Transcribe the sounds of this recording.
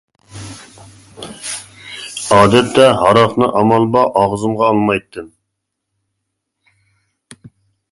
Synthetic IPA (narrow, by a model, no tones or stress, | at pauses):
ɑːd̪ɛp̪̚t̪ɛɦɑɾɑqnɨʔɑmɑlˠbɑʔɑʁzɨmʁɑːlˠmɑjt̪ːɨm